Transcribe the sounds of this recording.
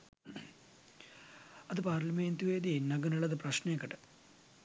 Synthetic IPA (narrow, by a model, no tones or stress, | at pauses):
ɐðɨpaːrlɐmeːnt̪uʋeːd̪inɐɡɐnɐɭɐðɨprɐɕnɐekːɐʈːɨ̥